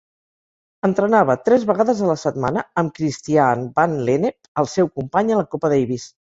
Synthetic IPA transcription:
ənt̪ɾənaβət̪ɾɛzβəɣaðəzələsət̪ma̰nəəmkɾist̪ianbanlenepəlˠsɛwkumpaɲələkopəðɛjβis

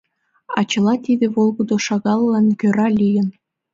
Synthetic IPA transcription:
ɑ̰t͡ɕɤ̆lɑt̪id̪eβolˠɡɤd̪oʃɑɣɑllɑnkʲøɾɑlʲijə̆n

